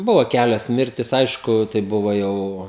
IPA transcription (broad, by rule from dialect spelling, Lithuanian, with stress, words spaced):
ˈbʊʋoː ˈkʲælʲoːs ˈmʲɪrʲtʲɪs ˈɐɪʃkʊ tɐɪ ˈbʊʋoː ˈjɛʊ